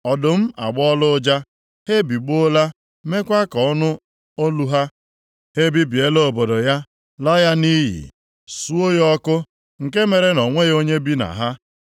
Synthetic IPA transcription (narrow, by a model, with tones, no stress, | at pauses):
ɔ˨dʊ˨m̩˦a̰˨ɡ͡bɔ˦lʊ˦d͡ʒa˦ | he˦bi˨ɡ͡bo˦la˦ | me˦kʷa˦kɔ˨ɔ˦nʊ˦ | o˦lu˦ɦa˦ | he˦bi˦bi˨e˦lo˦o˨bo˨do˨ja˦ | lɔ˦ja˦ni˦ɦḭ˨ | su˦o˦jɔ˦kʊ˦ | ŋ̩˨ke˦me˨ɾe˦nɔ˨ŋʷe˦ɣo˦ɲe˦bi˦na̰˨ɦa˦